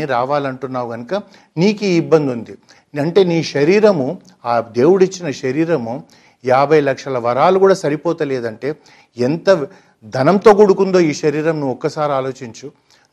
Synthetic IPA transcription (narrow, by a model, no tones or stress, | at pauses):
iɾaːʋaːlɐɳʈunːaːʋuɡɐnukɐ | niːkiibːɐnd̪und̪i | ɐɳʈe̞ːniːʃɐɾiːɾɐmu | aːd̪e̞ːwuɽit͡ʃːinɐʃɐɾiːɾɐmu | jaːbʱɐjlɐkʂɐlɐʋɐɾaːluɡuːɽaːsɐɾipɔːt̪ɐleːd̪ɐɳʈe̞ː | ent̪ɐ | d̪ʱɐnɐmt̪o̞ːɡuɽukund̪o̞ːiːʃɐɾiːɾɐmnuɔkːɐsaːɾiaːlo̞ːt͡ʃiɲt͡ʃu